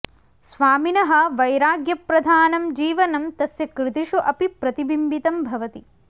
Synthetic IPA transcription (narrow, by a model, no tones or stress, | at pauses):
sʋaːminɐɦɐʋɐjɾaːɡjɐpɾɐd̪ʱaːnɐmd͡ʒiːʋɐnɐmt̪ɐsjɐkɾɪt̪iʃuʔɐpipɾɐt̪ibimbit̪ɐmbʱɐʋɐt̪i